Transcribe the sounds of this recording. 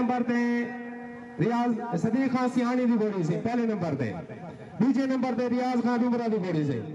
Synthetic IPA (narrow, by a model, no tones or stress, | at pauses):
əmbəɾt̪eː | ɾɪjaːzsɐd̪iːkʰãːsiɦaːɽ̃iːd̪iːbeːɽĩːs̬ĩːpɛɦleːnə̃mbəɾt̪ḛ̃ː | ɓiːd͡ʒeːnə̃mbəɾt̪eːɾɪjaːzkʰãːd̪ĩməɾãːd̪iːbeːɽĩːs̬ḛː